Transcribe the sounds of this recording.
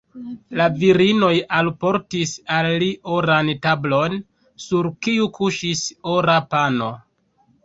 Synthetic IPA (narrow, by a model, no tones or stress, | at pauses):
laviɾino̞jalpo̞ɾtisalːiʔoɾantablo̞n | suɾkiukʰuʃisoɾapano̞